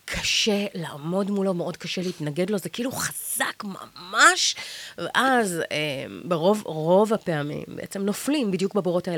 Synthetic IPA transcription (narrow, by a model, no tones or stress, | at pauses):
kʰaʃe̞la̰ʔːmo̞dmulo̞meʔo̞d̚kaʃe̞leːtnaɡe̞dlo̞zekiʔiːluχaz̥akma̰maʃvḛʔazembeʁo̞vʁo̞vapeamḭmbḛḛt͡semno̞flimbidjukbaboʁo̞taele